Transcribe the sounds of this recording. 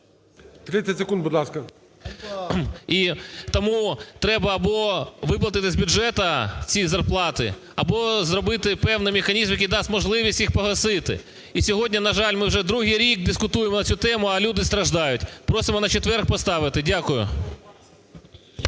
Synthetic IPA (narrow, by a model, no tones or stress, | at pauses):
t̪ɾɪt͡sʲːɐtʲsekund̪bʊd̪lˠɑskɐ | it̪ɔmut̪ɾɛbɐːbɔʋɪplˠɐt̪ɪt̪ɪzʲbʲʊʒɛt̪ɐt͡sʲizɐrplˠɑt̪ɪ̰ | ɐbɔzɾɔbɪt̪ɪpɛwnɪjmʲɪxɐnʲizmjɐkʲijd̪ɑstʲmɔʒlˠɪʋʲisʲtʲjixpɔɦlˠɐsɪt̪ɪ̰ | isʲɔɦɔdʲnʲɐnɐʒɑlʲmɪwʒɛd̪ɾuɦijɾʲik̚d̪ɪskʊt̪ujemɔnɐt͡sʲut̪ɛmʊɐlʲud̪ɪst̪ɾɐʒd̪ɑjʊtʲpɾosɪmɔnɐt͡ʃet̪ʋɛrkpɔst̪ɑʋɪt̪ɪdʲakʊjʊ̰